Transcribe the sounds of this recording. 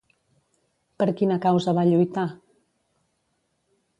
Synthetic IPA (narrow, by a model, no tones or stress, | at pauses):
pəɾkinəkawzəβaʎujt̪a